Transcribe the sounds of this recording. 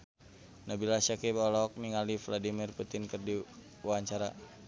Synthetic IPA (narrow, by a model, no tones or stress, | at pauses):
nabilasakibɔlɔk̚miŋalifladimirput̪inkɨrdi | waɲt͡ʃaɾa